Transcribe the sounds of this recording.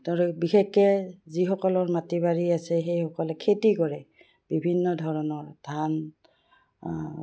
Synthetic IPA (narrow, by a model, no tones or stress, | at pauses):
taɹubixekːɛzixɔkɔlɔɹmatibaɹiasɛxejxɔkɔlɛkʰetikɔɹɛ | b̥ibʱinːɔdʱɔɹɔnɔɹdʱan